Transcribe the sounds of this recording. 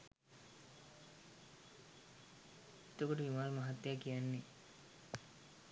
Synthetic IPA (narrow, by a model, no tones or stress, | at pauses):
it̪okoʈəʋimaːlmaɦat̪jakijanːe